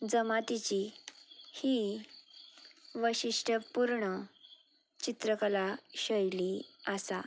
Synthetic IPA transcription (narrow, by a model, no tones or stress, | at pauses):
d͡zəmat̪it͡ɕi | hi | ʋəɕiʂʈʰəpuɾɳə | t͡ɕit̪ɾəkəlaɕəjliasa